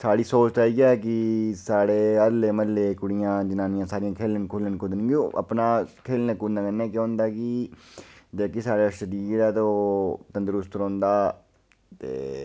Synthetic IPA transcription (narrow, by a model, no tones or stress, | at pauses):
saːɽiːsoːt͡ʃt̪aːiːɡːk̬ɪsaːɽeːəd̪leːməleːkʊɽɪjãːd͡ʒɪnãːnɪjãːsaːɾɪjãːkʰeːlənkʰʊlənkʊd̪ənɡioʔə̰pnaːkʰeːlnekunãːkənːɛːkjõːʊ̃nd̪aːkɪ | d͡ʒaːkesaːɽaːʃəd̪iːɾaːt̪ot̪ənd̪əɾʊst̪ɾõːnd̪aː | t̪ḛː